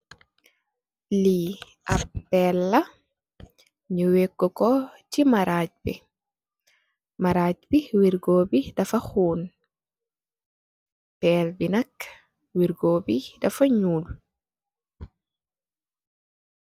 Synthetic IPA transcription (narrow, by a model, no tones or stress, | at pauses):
li | ʔɐppːɛlːɐ | ɲuwɛkːɔkɔcimaɾaɟ̚bi | maɾaːcbiwiɾɡoːbidɐfɐxuːn | pɛlbinɐk | wiɾɡoːbidɐfɐɲuːl